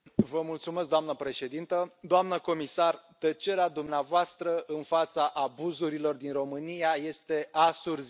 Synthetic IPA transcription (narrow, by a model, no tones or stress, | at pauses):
vəmult̪sumeskd̪oamnəpɾe̞ʃe̞d̪int̪əd̪oamnəko̞misart̪ət͡ʃe̞ɾead̪umneavoast̪ɾəʔɨnfat̪saʔabuzuɾilo̞rd̪inro̞mɨnijaje̞st̪e̞asurz